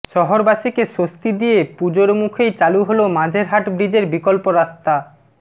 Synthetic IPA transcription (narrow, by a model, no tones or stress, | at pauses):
ʃɔɦoɾbaʃikeʃost̪id̪ijepud͡ʑoɾmukʰejt͡ɕaluɦolomãd͡ʑʱeɾɦaʈbɾid͡ʑeɾbikolpoɾast̪a